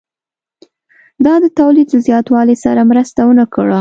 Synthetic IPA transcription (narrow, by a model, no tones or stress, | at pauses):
d̪ɑd̪ət̪awlid̪ləzjɑt̪wɑlesaɾamɾəst̪awənakəɽa